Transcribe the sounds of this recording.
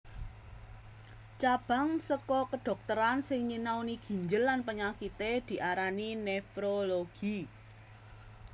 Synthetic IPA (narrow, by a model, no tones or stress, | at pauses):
t͡ʃab̥a̤ŋsəkɔkəɖ̪̥ɔ̤k̚t̪əɾansɪŋɲinawniɡ̥i̤ɲd͡ʒəlːanpəɲakit̪ed̪̥i̤ʔaɾaninefɾoloɡ̥i